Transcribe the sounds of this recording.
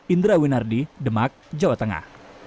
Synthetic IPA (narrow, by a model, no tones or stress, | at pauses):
ind̪ɾawinardidəmak̚d͡ʒawat̪əŋa̰h